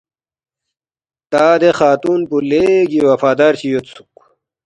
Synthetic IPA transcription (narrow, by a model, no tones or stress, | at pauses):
t̪aːd̪exaːt̪uːnpuleɡiwɐfaːd̪aːɾɕijot̪su̥k